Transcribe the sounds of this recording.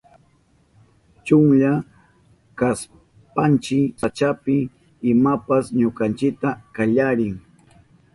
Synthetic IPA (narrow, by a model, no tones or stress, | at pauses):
t͡ʃʊŋʎa | kas | pant͡ʃɪsat͡ʃapɪ | ɪmapasɲokant͡ʃɪk̚t̪akaʎaɾɪŋ